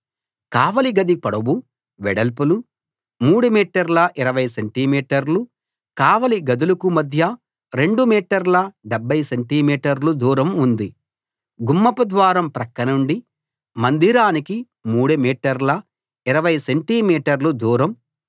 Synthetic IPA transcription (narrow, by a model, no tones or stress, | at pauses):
kaːʋɐliɡɐd̪ipɐɽɐbu | ʋɛɽɐlpulu | muːɽumiːʈɐɾlɐʔiɾɐʋɐjseɳʈimiːʈɐɾlu | kaːʋɐliɡɐd̪ulɐkumɐd̪ʱjɐ | ɾe̞ɳɖumiːʈɐɾlɐɖebʱːɐjseɳʈiːmiːʈɐɾlud̪uːɾɐmund̪i | ɡumːɐpɐd̪ʋaːɾɐmpɾɐkːɐnɐuɳɖi | mɐnd̪ʱiɾaːniki | muːɽumiːʈɐɾlɐ | iɾɐʋɐjseɳʈimiːʈɐɾlud̪uːɾɐm